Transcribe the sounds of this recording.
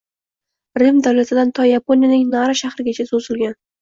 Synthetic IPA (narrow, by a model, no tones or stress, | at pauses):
ɾɪmd̪awlat̪ʰɪd̪ant̪ʰɑjapʰonjanɪŋnɑɾaʃahɾɪɡʲat͡ʃʰazozɪlˠɡʲan